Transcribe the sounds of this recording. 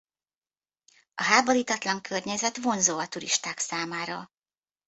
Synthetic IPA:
ɒɦaːbo̞ɾiːt̪ɒt̪lɒŋkʰørɲɛzɛt̪ʋo̞nzoːɒt̪uɾḭʃt̪aːksaːmaːɾɒ

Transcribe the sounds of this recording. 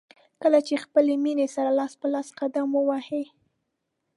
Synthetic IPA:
kəlat͡ʃexpəleminesaɾalɑspəlɑsqad̪amwəwahe

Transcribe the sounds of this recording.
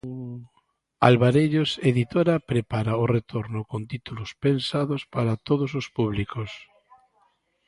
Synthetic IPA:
alβaɾeʎoseðit̪oɾapɾepaɾaoret̪ʰoɾnʊkont̪it̪ulʊspensaðospaɾat̪oð̞ʊsospuβlikos

